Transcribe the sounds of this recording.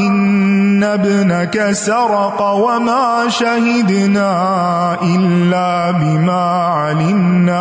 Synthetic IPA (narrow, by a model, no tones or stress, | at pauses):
ʔɪnːabnakasaɾˤɑqɑwamaː | ʃahɪd̪naː | ʔɪlːaː | bɪmaː | ʕalɪmnaː